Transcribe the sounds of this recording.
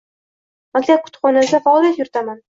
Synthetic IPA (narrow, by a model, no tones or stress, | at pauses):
makʲt̪ʰap̚kʰʊ̥t̪χɒnasʲafaɒlˠijat̪jʊɾɪt̪ʰaman